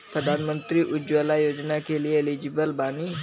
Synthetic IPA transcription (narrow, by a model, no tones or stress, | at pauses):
pərdanəmə̃nt̪ɾiʔud͡ʒualajod͡ʒənakelielid͡ʒibəlbani